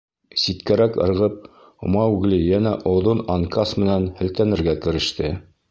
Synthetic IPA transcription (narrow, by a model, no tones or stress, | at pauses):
sit̪kæɾækɤ̰̆ɾʁɤp̚ | ŏmɑʉɡlijænæʔŏwðonɑŋkɑsmɘ̆nænhɘ̆lt̪ænɘ̆ɾɡækɘ̆ɾɘ̆ʃt̪ɘ